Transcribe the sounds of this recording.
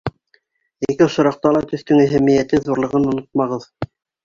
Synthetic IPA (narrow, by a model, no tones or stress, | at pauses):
ikɘŏʃŏɾɑq̚t̪ɑlˠɑt̪ɵ̆θt̪ɵŋæɦæmijæt̪ɘðuɾlˠɤ̆ʁɤnŏnot̪̚mɑʁɤð